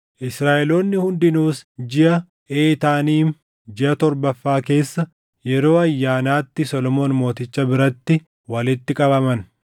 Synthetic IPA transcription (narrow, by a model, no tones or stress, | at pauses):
ʔɪsɾaːʔɛlo̞ːnːɪhʊnd̪ɪnuːsd͡ʒɪʔɐ | ʔeːt̪aːniːn | d͡ʒɪʔɐt̪ɔɾbɐfːaːke̞ːsːɐ | jɛɾo̞ːɐjːaːnaːt̪ːɪsɔlɔmo̞ːnmo̞ːt̪ɪt͡ʃːɐbɪɾɐt̪ːɪ | wɐlɪt̪ːɪkʼɐbɐmɐn